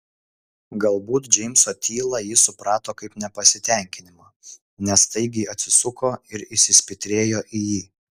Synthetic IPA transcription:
ɡɐlˠbuːt̪d͡ʒʲɛɪmʲsoːt̪ʲiːlˠɐjɪsʊpɾɑːt̪oːkɐɪpnʲɛpɐsʲɪt̪ʲɛˑŋʲkʲɪnʲɪmɑː | nʲɛst̪ɐɪɡʲɪɐt̪ʲsʲɪsʊkoːɪɾɪʃsʲɪsʲpʲɪt̪ʲɾʲeːjoːʔɪjiː

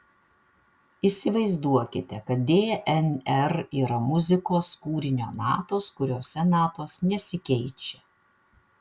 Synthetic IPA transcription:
isʲɪʋɐɪzd̪uɔkʲɪt̪ʲɛkɐt̪̚d̪ʲeːɛʔɛnʲɛɾiːɾɐmʊzʲɪkoːskuːɾʲɪnʲoːnɑ̰ːt̪oːskʊɾʲoːsʲɛnɑːt̪oːsnʲɛsʲɪkʲɛɪt͡ʃʲɛ

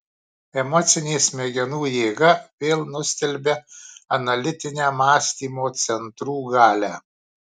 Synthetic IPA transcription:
ɛmɔt̪sʲɪnʲeːsʲmʲɛɡʲɛnuːjeːɡɐʋʲeːlˠnʊsʲt̪ʲɛlʲbʲɛɐnɐlʲɪt̪ʲɪnʲæːmɑːsʲt̪ʲiːmoːt̪sʲɛnt̪ɾuːɡɑːlʲæː

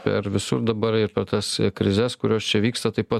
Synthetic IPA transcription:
pʲɛ̰ɾʋʲɪsʊ̰ɾd̪ɐbɐɾɪɾpʲɛrt̪ɐskɾʲɪzʲɛskʊɾʲoːst͡ʃʲɛʋʲiːkst̪ɐt̪ɐɪpɐ

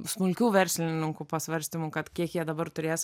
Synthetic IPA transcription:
smʊlʲkʲuːʋʲɛɾʲsʲlʲɪnʲɪŋkʊpɐsʲʋɐɾʲsʲt̪ʲɪmʊːkɐt̪kʲiɛkjiɛd̪ɐbɐɾt̪ʊɾʲeːs

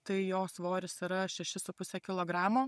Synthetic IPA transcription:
t̪ɐɪjoːsʋoːɾʲɪsiɾɐʃʲɛʃʲɪsʊpʊsʲɛkʲɪlˠoːɡɾɑːmoː

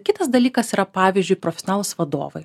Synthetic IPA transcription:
kʲɪt̪ɐsd̪ɐlʲiːkɐsiːɾɐpɑːʋʲiːzʲd͡ʒʲʊɪpɾoɔfʲɛsʲɔnɑːlˠuːsʋɐd̪o̰ːʋɐɪ

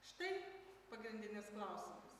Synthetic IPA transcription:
ʃt̪ɐɪpɐɡɾʲɪnʲd̪ʲɪnʲɪsklˠɐʊsʲɪmɐs

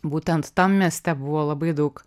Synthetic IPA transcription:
but̪ʲɛnt̪ːɑmmʲiɛst̪ʲæbuʋɔlˠɐbɨd̪uk

